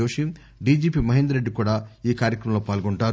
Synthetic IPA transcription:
oːʂim | ɖiːd͡ʒiːpiːmɐɦind̪ɾeɖːikuːɽaːiːkaːɾjɐkɾɐmɐloːpaːlɡoɳʈaːɾu

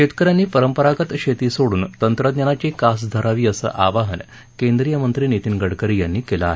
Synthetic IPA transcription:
ɕet̪kəɾjanːiːpəɾəmpəɾaɡət̪ɕet̪iːsoɽuːnt̪ənt̪ɾəd̪nɲanat͡ɕekas̬d̪ʱəɾaʋiːəsə̰ʔaʋaɦən | kend̪ɾijəmənt̪ɾiːnit̪iːnɡəɽkəɾiːjanːiːkelaa̰ɦe

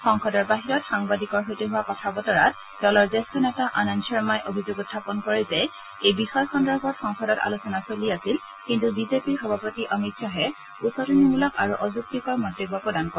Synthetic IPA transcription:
xɔŋxɔdɔɹbaɦiɹɔtxaŋbadikɔɹɦojteɦʊwakɔtʰabɔtɔɹat | dɔlɔɹzestɔnɛtaʔanɔnsɔɹmajʔobʱizoɡutʰːapɔnkɔɹɛzɛ | ejbixɔjxɔndɔbʱɔtxɔŋxɔdɔta̰lusɔnasoliasil | kintubizepiɹxɔbʱapɔtiʔɔmitsɔɦɛ | usɔtinibulɔkaɹuʔɔzuk̚tikɔɹmɔdoɡɔpɹɔdankɔ

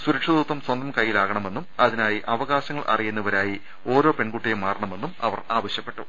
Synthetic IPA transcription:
suɾɐkʂɐðuːt̪ːɐmswɐnd̪ɐmkɐjːilaːɣɐɳɐme̞nːumɐðinaːjiʔɐʋɐɣaːɕɐŋːɐɭʔɐ̰rijunːɐʋɐɾaːji | o̞ːɾo̞ːpe̞ɳkuʈːijɐmːaːrɐɳɐme̞nːumɐ̰ʋɐraːʋɐɕjɐpːe̞ʈːṵ

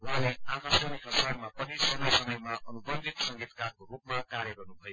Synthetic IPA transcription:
waleakasʌnikʌsaɾmapʌnisʌmʌjsʌmʌjmaʔʌnubʌnd̪ʱit̪sʌŋɡʱit̪karkoɾup̚makaɾjʌɡʌrnubʱʌjo

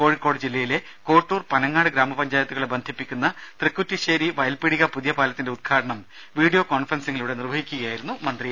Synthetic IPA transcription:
ko̞ːɻikːo̞ːɽɨd͡ʑilːɐjile̞ | ko̞ːʈːuːrpɐnɐŋːaːɽɨɡɾaːmɐpɐɲd͡ʑaːjɐt̪ːuɣɐɭebɐnd̪ʱipːikʲːunːɐt̪rɨkːutːiɕeːɾiʋɐjɐlpiɽiɣɐpuðijɐpaːlɐt̪ːinde̞ud̪̚kʰaːɽɐɳɐm | ʋiːɽijo̞ːkoːnfɐrɐnsiŋːɐliuʋɽenirʋɐɦikʲːuɣɐjaːjiɾunːumɐnd̪ri

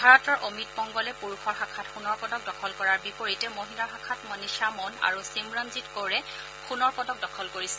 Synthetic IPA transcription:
bʱaɹɔtɔɹʔomit̚pɔŋɡɔlɛpuɹukʰɔɹxakʰatxunɔɹpɔdɔk̚dɔkʰɔlkɔɹaɹbipoɹitɛmoɦinlaxakʰatmɔniʃamɔna̰ɹusimɹɔnzitkoɹɛ | xunɔɹpɔdɔk̚dɔkʰɔlkoɹisɛ̥

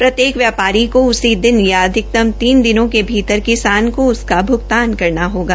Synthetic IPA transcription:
pɾɐt̪jeːkʋjaːpaːɾikoʊsid̪ɪnjaːd̪ʱɪk̚t̪ɐmt̪iːnd̪ɪnõkebʱiːt̪əɾkɪsaːnkoʊskabʱʊɡ̚t̪aːnkɐɾnaɦoːɡaː

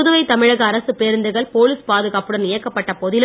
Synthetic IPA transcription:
ðɯʋɐɪt̪ɐmɪɻɐɣɐːɾɐsɯpeːɾɯnd̪ɯɣɐɭpoːliːspaːðɯɣaːpɯɽɐnɪjɐkːɐpːɐʈːɐpɔðɪl

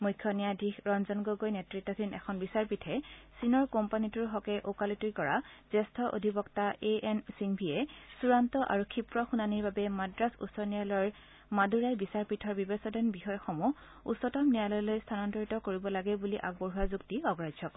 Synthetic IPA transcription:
mujkʰːjɔnijadʱixɹɔnzɔnɡoɡojnɛtɹitːɔdʰinɛ̰kʰɔnbisaɹpitʰɛsinɔɹkɔmpanituɹɦɔkɛʔokalitujkɔɹa̰z̥ɛstʰɔʔo̰dʱibɔktaʔeʔɛnsiŋbʱiɛsuɹantɔʔa̰ɹukʰipɹɔxunaniɹbabɛmadɹasṵsɔnal | maduɹajbisaɹpitʰɔɹbibɛsɔdɔnbixɔjxɔmu | ṵsɔtɔmnijalɔjlojstʰanɔntɔɹitɔkoɹibɔlaɡɛbuliʔa̰p̚ɡɔɹɦuazuktiɔɡɹajd͡ʒʱɔkɔ

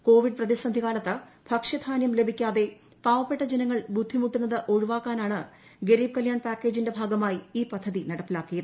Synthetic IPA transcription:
ko̞ːʋiɖprɐðisɐnd̪ʱiɣaːlɐt̪ːɐ | b̥ʱɐkʂɐd̪ʰʱaːnjɐmle̞bʱikʲːaːðe̞ | paːʋɐpːe̞ʈːɐd͡ʑenɐŋːɐɭbud̪ʱːimuʈːunːɐðɨʔo̞ɻuʋaːkːaːnaːɳɨ | ɡeɾiːb̚kɐljaːɳpaːkːe̞ːd͡ʑinde̞bʱaːɡɐmaːjiiːpɐd̪ʱːɐðinɐɽɐpːilaːkːijɐðɨ

